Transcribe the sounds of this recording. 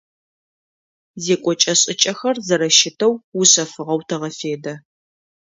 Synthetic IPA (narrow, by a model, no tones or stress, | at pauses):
zeːkʷʼɔt͡ʃʼɐɕʼɪt͡ʃʼɐxɐrzɐɾɐʃɪtʰɐwːʊɕɐfɨʁɐwtʰɐʁɐfeːdɐ